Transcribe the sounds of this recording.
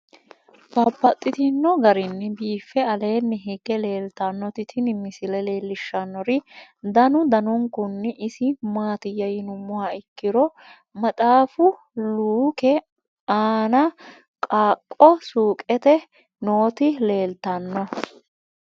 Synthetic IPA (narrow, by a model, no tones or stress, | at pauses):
pɐpːɐt̪ʼːɪt̪ɪnːɔɡɐɾɪnːɛbiːfːɛɐle̞ːnːɛɦɛɡɛle̞ːlt̪ɐnːɔt̪ɪt̪ʰɪnɪmɪsɪlɛle̞ːlːɪʃːɐnːɔɾɪd̪ɐnʊd̪ɐnʊŋkʊnːɛʔɪsɪmaːt̪ɪjɐjɪnʊmːʊwaɪkːɪɾɔ | mɐt̪ʼaːfʊ | luːkɛ | aːnɐ | kʼaːkʼːɔsuːkʼɛt̪ɛ | noːt̪ɪle̞ːlt̪ɐnːɔ